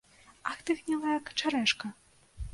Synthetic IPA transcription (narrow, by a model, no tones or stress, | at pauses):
axt̪ɨɣnʲɛlˠɐjɐkt͡ʂaɾɛʂkɐ